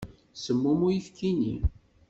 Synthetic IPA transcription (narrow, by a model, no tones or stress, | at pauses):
səmːumujifkinḭ